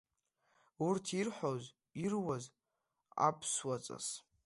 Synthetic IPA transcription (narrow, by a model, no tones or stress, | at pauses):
urtʰirħʷoz | irwaz | a̰pʰswat͡sʼa̰s